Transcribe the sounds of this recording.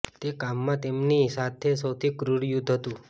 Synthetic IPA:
t̪ekamːãt̪emnisat̪ʰesəwt̪ʰikɾuɾjud̪ʱɦət̪ũ

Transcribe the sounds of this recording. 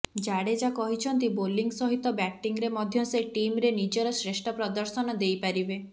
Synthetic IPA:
d͡ʒaɽed͡ʒakɔɦit͡ʃʰɔnt̪iboliŋɡsɔɦit̪ɔbɛʈːiŋɡɾemɔd̪ʱjɔseʈimɾenid͡ʒɔɾɔsɾeʃʈʰɔpɾɔd̪ɔɾsɔnɔd̪ejpaɾibe

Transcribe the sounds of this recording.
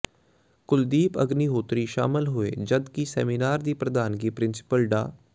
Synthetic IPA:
kʊld̪iːpə̰ɡniːɦoːt̪ɾiːʃa̰ːmɪlɦoeːd͡ʒəd̪kiːsɛ̰ːminaːɾd̪iːpɾəd̪aːnɡiːpɾɪnsɪ̥pəlɖa̰ː

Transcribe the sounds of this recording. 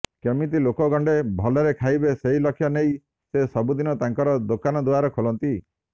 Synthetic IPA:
kemit̪ilokɔɡɔɳɖebʱɔleɾekʰajbeseɦilɔkʰːjɔnej | sesɔbud̪inɔt̪aŋkɔɾɔd̪okanɔd̪uaɾɔkʰolɔnt̪i

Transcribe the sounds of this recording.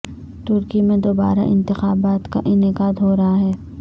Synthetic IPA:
t̪ʊɾkimẽd̪oːba̰ːɾa̰ʔɪ̰̃nt̪ɪxaːbaːt̪ka̰ʔɪnɪkaːd̪ɦoːɾɐɦaɦɛː

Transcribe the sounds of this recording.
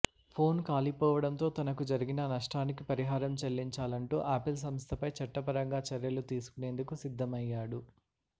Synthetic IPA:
pʰo̞ːnkaːlipɔːʋɐɽɐnt̪o̞ːt̪ɐnɐkud͡ʒɐɾiɡinɐnɐʂʈaːnikipɐɾiɦaːɾɐmt͡ʃɐlːiɲt͡ʃaːlɐɳʈuːʔaːpils̬ɐmst̪ʰɐpɐjt͡ʃɐʈːɐpɐɾɐŋɡaːt͡ʃɐɾjɐlut̪iːsu̥kune̞ːnd̪ukusid̪ʱːɐmɐjːaːɽu

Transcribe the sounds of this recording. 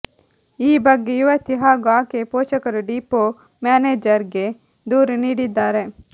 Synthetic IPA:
iːbɐɡːejuʋɐt̪iɦaːɡaːkepoːʃɐkɐɾuɖiːpo | maːneːd͡ʒɐɾɡe | d̪uːɾniːɽid̪aːɾe

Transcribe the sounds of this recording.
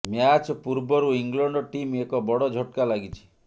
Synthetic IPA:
mjat͡ʃɔpuɾbɔɾuiŋɡlɔɳɖɔʈimekɔbɔɽɔd͡ʒʱɔʈkalaɡit͡ʃʰi̥

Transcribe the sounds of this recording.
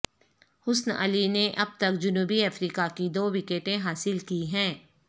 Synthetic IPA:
hʊsnə̰lineʔɐb̚t̪ɐkd͡ʒʊnuːbiɐfɾiːkakid̪oːwɪkeːʈẽɦaːsɪlkiɦɛ̃ː

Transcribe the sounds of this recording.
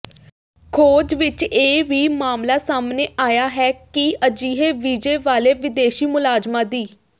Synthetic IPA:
kʰoːd͡ʒʋɪt͡ʃeːʋiːmaːmlaːsaːmneːʔaːjaːɦɛːkiəd͡ʒiːɦeːʋiːd͡ʒeːʋaːleːʋɪd̪eːʃiːmʊlaːzd͡ʒmãːd̪iː

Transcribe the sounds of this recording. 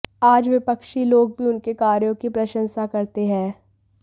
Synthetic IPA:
aːd͡ʒʋɪpəkʃiloːɡ̚bʱiʊnkekaːɾjõkipɾɐʃə̃nsakɐɾt̪eɦɛ̃ː

